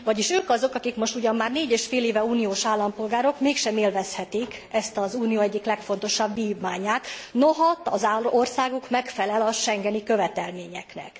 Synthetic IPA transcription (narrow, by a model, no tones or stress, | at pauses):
vɒɟiʃøːkɒzo̞kɒkikmo̞ʃt̪uɟɒmːaːrneːɟeːʃfeːleːvɛuːnijoːʃaːlːɒmpo̞lɡaːɾo̞kmeːkʃɛmeːlvɛshɛt̪ikɛst̪ɒzuːnijoːɛɟːiklɛkfo̞nt̪o̞ʃɒbːiːvmaːɲaːt̪noɦɒt̪ɒ̰zaorsaːɡukmɛkfɛlɛlɒʃɛŋɡɛnikø̞vɛt̪ɛlmeːɲɛknɛ̰k